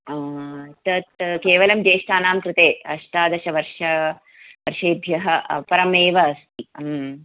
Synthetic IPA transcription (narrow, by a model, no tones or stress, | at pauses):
t̪ɐt̪̚keːʋɐlɐmd͡ʒeːʂʈaːnaːmkɾɪt̪eːɐʃʈ̪aːd̪ɐʃɐʋɐɾʂɐ | ʋɐɾʃeːbʱjɐɦɐpɐɾɐmeːʋɐːst̪im